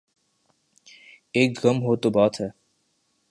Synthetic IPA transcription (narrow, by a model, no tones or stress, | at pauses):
eːkɣəmɦoːt̪obaːt̪ɦɛː